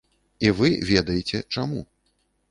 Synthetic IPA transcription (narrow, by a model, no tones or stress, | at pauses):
ivɨvʲɛd̪ɐjɛt͡sʲɛt͡ʂamu